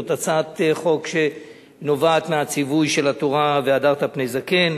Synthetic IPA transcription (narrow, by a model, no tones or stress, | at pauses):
t̪at͡sat̪χo̞kʃe̞ | no̞vaːt̪meat͡sivujʃe̞lat̪oʁaveadaʁt̪apne̞jzake̞n